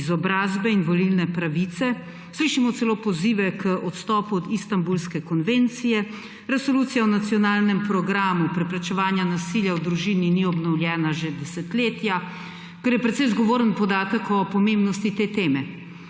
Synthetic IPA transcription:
zɔbɾaːzbɛinʋɔlilnɛpɾaʋit̪sɛ | sliʃimɔt̪sɛloːpɔziːʋɛkəʔɔt̪st̪ɔːpuɔd̪ist̪ambulskɛkɔnʋeːnt̪sijɛ | ɾɛsolut̪sijawnat̪sijɔnaːlnɛmpɾɔɡɾaːmupɾɛpɾɛt͡ʃɛʋaːnjanasiljawd̪ɾuʒiːniniɔbnɔwljɛːnaʒed̪ɛsɛt̪leːt̪ja | kəɾjɛpɾɛt̪sɛjzɡɔʋoːɾənpɔd̪aːt̪əkɔpɔmembnɔst̪it̪eːt̪eːmɛ

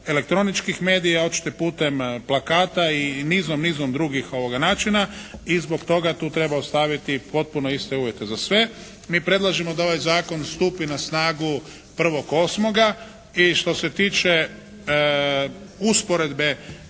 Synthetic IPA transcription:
e̞le̞k̚t̪ɾo̞nit͡ʃkixme̞ːd̪ijao̞t͡ʃi̥t̪opuːt̪e̞mplˠakaːt̪ainiːzomniːzomd̪ɾuɡixo̞ʋo̞ɡanaːt͡ʃinaizbo̞kt̪o̞ɡat̪uːt̪ɾe̞baost̪aʋit̪ipo̞t̪̚puno̞ist̪e̞uːʋje̞t̪e̞zasʋe̞ | miːpɾe̞d̪lˠaʒemo̞d̪ao̞ʋajzaːko̞nst̪uːpinasnaːɡu | pr̩ʋo̞ko̞ːsmo̞ɡa | iʃt̪o̞se̞t̪iːt͡ʃe | uspo̞ɾe̞d̪be̞

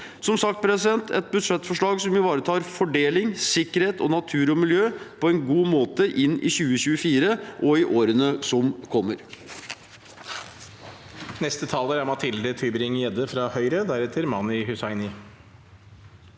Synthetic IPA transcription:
sɔmsɑkt̪̚pʰɾɛsɪd̪ɛnt̪ʰɛ̰t̪̚bʉd̪ʂɛt̪ːfɔʂɭɑːɡsɔmjʊʋɑːɾət̪ʰɑːɾfɔɖeːlɪŋsɪkːəɾheːt̪ɔ̰nɑt̪ʰʉːɾɔmɪljøːpʰɔɛnɡuːmoːt̪əʔɪnːɪ̰çʉːəçʉːəfiːɾəʔɔɪʔoːɾənəsɔmkʰɔmːəɾ | nɛst̪ət̪ʰɑːləɾæɾmɑt̪ʰɪld̪ət̪ʰʏbəɾɪŋjɛd̪əfɾɑhœʏɾəd̪æɾɛt̪ʰɪlmɑnɪhʉsɑɪnɪ

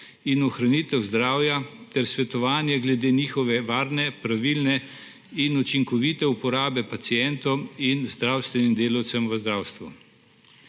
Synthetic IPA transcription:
inɔxɾanit̪ɛwzd̪ɾaːwjat̪ɛɾsʋɛt̪ɔʋaːnjɛɡlɛd̪eːniːxɔʋɛʋaːɾnɛpɾaʋiːlnɛ | inut͡ʃiŋkɔʋit̪ɛupɔɾaːbɛpat̪sijɛnt̪ɔwinzd̪ɾawst̪ʋɛnimd̪eːlɐwt̪sɛmʋəzd̪ɾaːwst̪ʋu

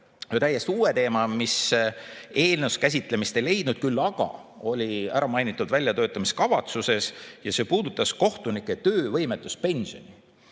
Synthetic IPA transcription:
jot̪æje̞st̪uːet̪e̞ːmɑmis | e̞ːlnewskæs̬ʲit̪ˑle̞mist̪ele̞jd̪̥̚nud̪̥̚kylːɑɡ̥ɑ̰o̞lʲiæɾɑmɑjnit̪ːˑud̪vælʲjɑt̪øːt̪ːˑɑmiskɑvɑt̪suse̞sjɑseːpuːd̪ut̪ːˑɑsko̞ht̪unikːˑe̞t̪ø̞ːvɤ̞jmet̪ːˑuspe̞nʲsio̞ni

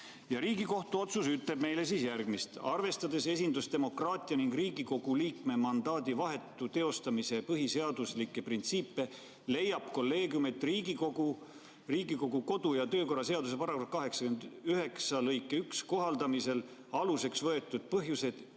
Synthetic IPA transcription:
jɑɾiːɡiko̞ht̪uo̞t̪susyt̪ːˑe̞b̥̚me̞jle̞siːsjærɡ̥mist̪ɑrve̞st̪ɑd̪e̞se̞s̬ʲind̪ust̪e̞mo̞krɑːt̪ʲˑiɑniŋɡ̥riːɡiko̞ɡ̥uliːkme̞mɑnd̪̥ɑːd̪̥ivɑɦe̞t̪ːˑut̪e̞o̞st̪ɑmise̞pɤɦise̞ɑd̪uslikːˑe̞print̪siːpːe̞ | le̞jːɑb̥ko̞lːe̞ːɡjume̞t̪ːˑriːɡikoɡu | riːɡiko̞ɡ̥uko̞d̪ujɑt̪ø̞ːko̞rːɑse̞ɑd̪usepɑrɑkofkɑɦe̞ksɑ̥kyend̪yɦe̞ksɑlɤjkːˑe̞yksko̞ɦɑld̪ɑmise̞l | ɑluse̞ksvɤe̞t̪ːˑud̪̥̚pɤɦjuse̞d̪̥

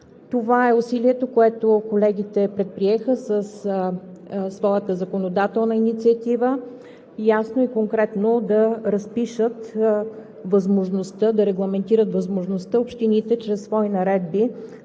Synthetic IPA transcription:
t̪ovaɛusiliɛt̪okoɛt̪okolɛɡ̟it̪ɛpɾɛt̪̚pɾiɛxəsəs | svɔjət̪əzɐkonod̪at̪ɛlˠnəinit̪siət̪ivə | jasnoikoŋkɾɛt̪nod̪ɐɾɐspiʃət̪ | vəzmoʒnost̪əd̪ɐɾɛɡlˠɐmɛnt̪iɾət̪vəzmoʒnost̪əopʃt̪init̪ɛt͡ʃɾɛsːvɔinɐɾɛd̪bi

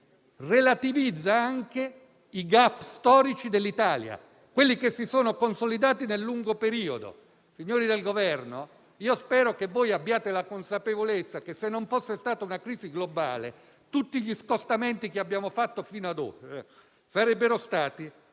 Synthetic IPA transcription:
relat̪ivid̪zːaaŋke | iɡapːst̪ɔːɾit͡ʃid̪elːit̪aːlja̰ | kwelːikesːisoːnokonsolid̪aːt̪inelːuŋɡopeɾiːod̪o̰ | siɲːoːɾid̪elɡovɛrno | iːospɛːɾokevːoːjabːjaːt̪elakonsapevolet̪sːakesːenːoɱfosːest̪aːt̪aunakɾiːziɡloba̰ːlḛ | t̪ut̪ːiʎiskost̪ament̪ikeabːjaːmofat̪ːofiːnoad̪o̰ːɾ | saɾɛbːeɾost̪aːt̪i

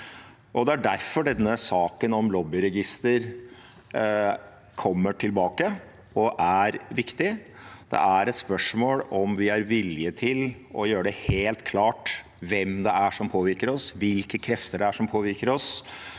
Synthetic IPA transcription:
ʔɔd̪ɛæɖæɾfɔɖɛnːəsɑːkənɔmlɔbɪɾɛɡɪst̪əɾ | kʰɔmːəʈʰɪlbɑːkə | ɔʔæɾʋɪkt̪ɪ | d̪̥ɛ̰ʔæɾɛt̪spœʂmoːlɔmʋɪæɾʋɪlɪət̪ʰɪl | ʔɔjøːɾəɖɛheːlt̪kʰlɑːʈ | ʋɛmd̪ɛæʂɔmpʰoːʋɪɾkəɾɔsʋɪlkəkʰɾɛft̪əɖɛæʂɔmpʰoːʋɪɾkəɾɔs

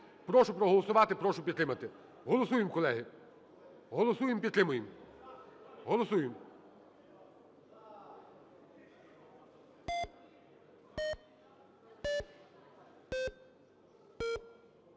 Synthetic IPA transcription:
pɾɔʃʊpɾɔɦɔlˠɔsʊʋɑt̪ɪpɾɔʃʊpʲid̪t̪ɾɪmɐt̪ɪ | ɦɔlˠɔsujɪmkɔlˠɛɦɪ | ɦɔlˠɔsujɪmpʲid̪t̪ɾɪmʊjɪm | ɦɔlˠɔsujɪm

